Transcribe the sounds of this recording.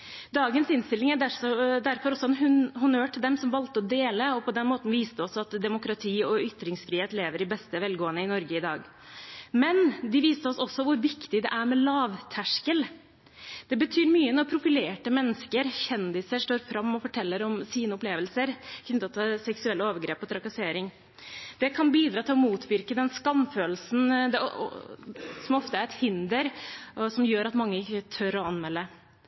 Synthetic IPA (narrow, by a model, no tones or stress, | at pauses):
d̪ɑːɡənsɪnst̪ɪlɪŋæɖæsɔd̪æɾfɔɾɔsːɔɛnɦʉnhʊnøːʈʰɪld̪ɛmsɔmʋɑlt̪əɔd̪eːləɔpʰɔd̪ɛnmoːt̪n̩ʋiːst̪əɔsːɔɑt̪d̪ɛmʊkɾɑt̪ʰiːɔʏt̪ːɾɪŋsfɾiːheːt̪leːʋəɾɪbɛst̪əʋɛlɡoːənəɪnɔɾɡəɪd̪ɑ̰ːɡ | mɛnd̪ɪʋiːst̪əɔsɔsɔʋʊɾʋɪkt̪ɪd̪ɛ̰ʔæɾmɛlɑːʋt̪ʰæʂkəl | d̪̥ɛbət̪ʰyːɾmyːəɛnɔpʰɾʊfɪleːʈəmɛnːəskəɾçɛnd̪ɪsəʂʈoːɾfɾɑmːɔfɔʈʰɛlːəɾɔmsiːnəʊpleːʋəlsəɾɪç̪ɔt̪ʰɑːsɛksʉɛlːəoːʋəɾɡɾeːpɔt̪ʰɾɑkɑseːɾɪŋ | d̪̥ɛkʰɑnbiːd̪ɾɑːt̪ʰɪlɔmuːt̪ʰʋɪɾkəd̪ɛnskɑmføːlsn̩d̪ɛ̰ | sɔmɔft̪əæɾɛt̪hɪnd̪əɾɔsɔmjøːɾɑt̪mɑŋːəɪkːət̪ʰœɾɔɑnmɛlːə